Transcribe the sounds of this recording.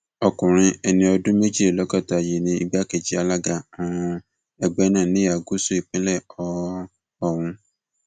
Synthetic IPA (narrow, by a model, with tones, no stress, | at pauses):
ɔ˧kũ˨ɾ̃ĩ˧ɛ˧nĩ˧ɔ˧dũ˦me˦d͡ʒi˦e˨lɔ˨˦ɡɔ˦˨ta˨je˨nĩ˧˦i˧ba˦ke˨d͡ʒi˨˦a˧la˦ɡa˦˨ã˨˧ | ɛ˧ɡ͡bɛ˦nãː˦˨nĩ˨˦a˨ɡu˦su˦i˨k͡pĩ˦lɛ˦˨ɔ˨˦ | ɔ˦˨w̃ũ˧